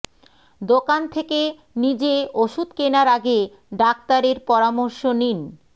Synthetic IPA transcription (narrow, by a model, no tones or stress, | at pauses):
d̪okant̪ʰeke | nid͡ʑeoʃud̪kenaɾaɡe | ɖak̚t̪aɾeɾpɔɾamoɾʃonin